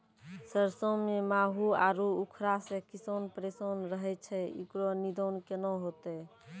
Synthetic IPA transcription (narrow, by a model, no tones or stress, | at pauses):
səɾsəmemaɦuaɾuukʰɾasẽkisənpɾesənɾəɦɛt͡ʃʰɛḭkɾɔnid̪ʱənkenɔɦot̪ɛ